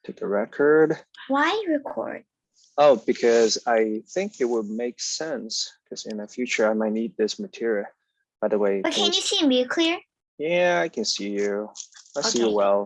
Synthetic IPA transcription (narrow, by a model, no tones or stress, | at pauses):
tʰekəɹɛkʰə˞d̥waɪɹɨkʰɔ̰ɹd̥̚ | oʊbɨkʰʌzaɪθɪ̃ŋkɨt̚wəd̚meɪksɛ̃nskʰʌz̥ɪ̰̃nɨfjʉt͡ʃə˞aɪmaɪnit̪̚ðɪsmɨtʰɪɹiɨ | b̥aɪðəweɪb̥ʌkʰɨ̃njɨsiɨ̃mbiɨkʰl̥ɪɹ | jæaɪkʰɨ̃nsijʉaɪsijəwɛlˠ